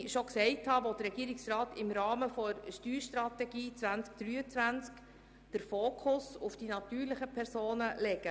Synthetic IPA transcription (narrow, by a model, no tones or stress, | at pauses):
ʃoksɛɪthɑʋɔd̥əɾɛɡiːɾɪksrɑːtɪmɾɑːməfɔɾʃtyːɾʃtɾɑt̪ɛɡiːt͡sʋænt͡sk̚d̥ɾyːət͡sʋænt͡sk | d̥əɾfoːkʰʊsʊfd̥inɑtyːɾləχəpʰɛɾsoːnəlɛɡə